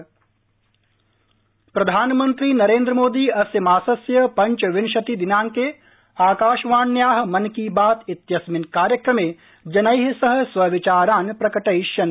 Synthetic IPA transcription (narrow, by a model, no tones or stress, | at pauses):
pɾɐd̪ʱaːnmɐnt̪ɾiːnɐɾeːnd̪ɾəmoːd̪iːɐsjɐmaːsɐsjɐpɐɲt͡ʃʋɪnʃɐt̪id̪inaːŋkeː | aːkaːʃʋaːnjaːɦmɐnkiːbaːt̪it̪jɐsminkaːɾjɐkɾɐmeː | d͡ʒɐnɐjɦisɐɦɐ̆sʋɐʋɪt͡ʃaːɾaːnpɾɐkɐʈɐjʃjɐn